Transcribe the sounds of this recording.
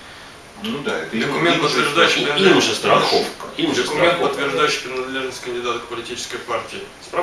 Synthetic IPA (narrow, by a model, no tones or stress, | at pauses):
d̪at̪d̪əkʊmʲent̪pət̪vvʲɪrʐd̪ajʉɕːijinʲʂəst̪ɾɐxofkiəkʊmʲent̪pət̪ːvʲɪrʐd̪ajʉɕːɪjpɾʲɪnɐd̪lʲe̞ʐnəsʲtʲkənʲdʲɪd̪at̪əkpəlʲɪtʲit͡ɕɪ̥skəjpartʲɪɪspɾa